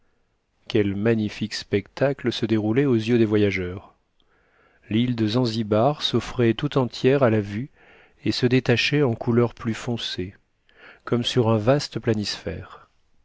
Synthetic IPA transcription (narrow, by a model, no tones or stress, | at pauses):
kʲɛlmaɲifikspɛkt̪akləsəd̪eʁulɛozjød̪evwajaʒœʁ | lild̪əzɑ̃zibaʁsɔfχɛt̪ut̪ɑ̃t̪ʰjɛʁalavy | esəd̪et̪aʃɛɑ̃kʰulœʁplyfɔ̃se | kɔmsyʁɛ̃vast̪əplanisfɛ̰ːʁ